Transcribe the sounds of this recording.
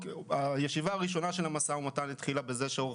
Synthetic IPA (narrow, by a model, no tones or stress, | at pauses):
ajeʃivaːʁiʃo̞naʃe̞lamasaumat̪ajnit̪χilabe̞ze̞ʃeo